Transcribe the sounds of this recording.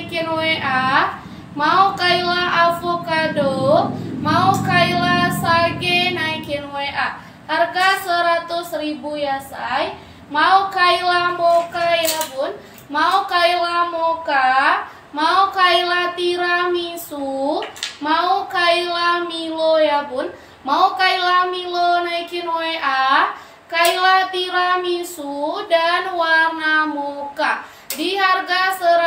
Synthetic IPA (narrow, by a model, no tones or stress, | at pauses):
kinweʔa | maukailaʔafokadomaukailasaɡenaikinweʔa | harɡasəɾat̪usribujasaj | maukailamokajabʊn | maukailamoka | maukailat̪iɾamisu | maukailamilojabʊn | maukailamilonaikinoeʔa | kailat̪iɾamisudanwarnamoka | diɦarɡasəɾ